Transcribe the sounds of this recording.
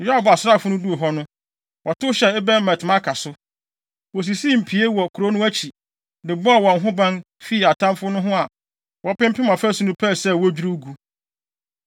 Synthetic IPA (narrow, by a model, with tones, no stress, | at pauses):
jɔ˦a˦˨ba˨sɾa˦˨fʊ˦nʊ̃˦du˦o˨ɦɔ˦nʊ̃˦ | wʔɔ˨tʊ˦ɕɛ˨ɪ˦bɛ˦m̩˦˨mæ̃˨tʰɪ˨mã˦kʰa˨sʊ˦ | wɔ˨s̬i˨si˦˨m̩˨pʰi˨e˦wɔ˨kʰʊ˨ɾo˦nʊ̃˦æ˦t͡ɕʰi˨ | dɪ˨bʊ˦a˨wɔ̃˨n˨ɦʊ̃˦bã˦n | fi˦˨a˨tʰã˦mfʊ˦nʊ̃˦ɦʊ̃˦a˨ | wɔ˨pɪ̃˦m˦pʰɪ˦mã˨fæ˦su˦nũ˦pʰɛ˦˨sɛ˦˨wɔ˦d͡ʑᶣu˦ɾu˦ɡu˦